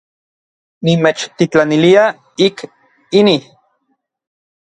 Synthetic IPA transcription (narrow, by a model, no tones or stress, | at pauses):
nimet͡ʃt̪it͡ɬanilia | ik | ini